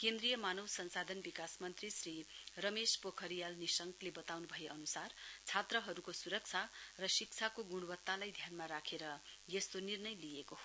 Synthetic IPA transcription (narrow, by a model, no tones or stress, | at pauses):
kend̪ɾijʌmanʌwsʌnsad̪ʱʌnbikasmʌnt̪risrirʌmespokʰʌɾijalnisʌŋklebʌt̪awnubʱʌjeʔʌnusart͡sʰat̪rʌɦʌɾukosuɾʌk̚t͡sʰarʌsik̚t͡sʰakoɡuɽ̃bʌt̪ːalajd̪ʱjanmaɾakʰeɾʌjest̪onirnʌjlijekoɦ